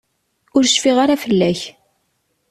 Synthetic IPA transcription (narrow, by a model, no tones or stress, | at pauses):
ʊɾʃfiʁaɾafəlːæç